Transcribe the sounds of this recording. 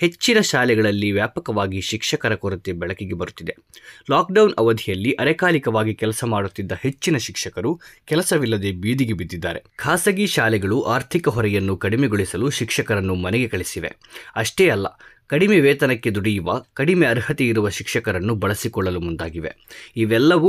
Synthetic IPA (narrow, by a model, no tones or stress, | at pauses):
he̞t͡ʃːinɐʃaːlɛɡɐɭɐlːiʋjaːpɐkɐʋaːɡiʃikʂɐkɐɾɐkoɾɐt̪ːebɛɭɐkiɡebɐɾut̪ːid̪e | laːk̚ɖɐwnɐʋɐd̪ʱijɐlːiʔɐɾɛkaːlikɐʋaːɡikɛlɐsɐmaːɽut̪ːid̪ːɐhe̞t͡ʃːinɐʃikʂɐkɐɾukɛlɐsɐʋilːɐd̪e̞biːd̪iɡebid̪ːid̪ːa̰ːɾe̞kʰaːsɐɡiʃaːlɛɡɐɭuʔaːɾt̪ʰikɐɦɔɾɛjɐnːukɐɽimeɡoɭisɐluʃikʂɐkɐɾɐnːumɐnɛɡe̞kɐɭisiʋe̞̰ | ɐʂʈeːɐlːɐ̰ | kɐɽimeʋɛːt̪ɐnɐkːed̪uɽijuʋɐkɐɽimeɐɾhɐt̪eiɾuʋɐʃikʂɐkɐɾɐnːubɐɭɐsikɔɭːɐlumund̪aːɡiʋe̞̰ | iʋɛlːɐʋu